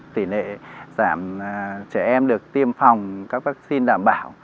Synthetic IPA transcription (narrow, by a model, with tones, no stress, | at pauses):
t̪i˧˩nḛ˧˨zaː˧˩mt͡ɕɛ˧˩ʔɛ˧mɗɨ˨˩ək̚t̪i˧əmfa˨˩wŋ͡mkaː˦˥k̚vaː˦˥k̚si˧nɗa̰ː˧˨mɓaː˧˩w